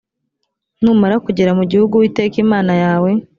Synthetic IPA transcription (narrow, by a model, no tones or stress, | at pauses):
nuːmaɾakuɟe̞ɾamuɟihuɡuwiːte̞ːkimaːnajaːwe̞